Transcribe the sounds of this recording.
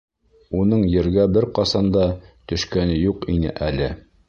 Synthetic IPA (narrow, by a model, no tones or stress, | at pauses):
unɤɴjɘ̆ɾɡæbɘɾqɑsɑnd̪ɑt̪ɵ̆ʃkænɘjuqinɘ̰ʔælɘ